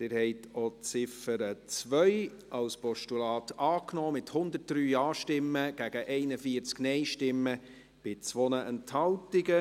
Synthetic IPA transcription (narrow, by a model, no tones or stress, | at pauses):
d̪̥ɪːɾhɛɪt̪ʰɔt͡sɪfəɾət͡sʋœʏ | ʔɑlspɔʃtulɑːtɑːknɔːmɪthʊnd̪ət̚d̥ɾyːɑːʃtɪmːəɡ̥æɡ̥əʔɛɪnəfiəɾt͡sknɛɪʃtɪmːə | b̥ɪt͡sʋonəʔɛnthɑltɪɡə